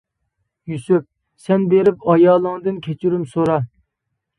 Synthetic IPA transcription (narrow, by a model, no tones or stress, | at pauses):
jysyp̚ | sɛnbeɾɪpɑjɑːlˠɨŋd̪ɨnkʲʰet͡ʃʰyɾymsoɾɑ